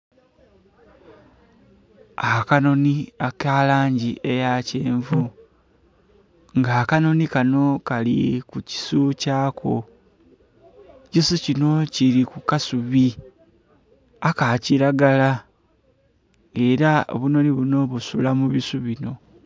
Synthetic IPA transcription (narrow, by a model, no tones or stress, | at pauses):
akano̞niakaːlaːɲɟiʔe̞jaceːɱvu | ŋɡaːkano̞nikano̞kalḭkuci̥sucaːkʰo̞̰ | cisucino̞ciɾikukasuβi | akaciɾaɡala | eɾao̰βuno̞niβuno̞βusulamuβisuβino̞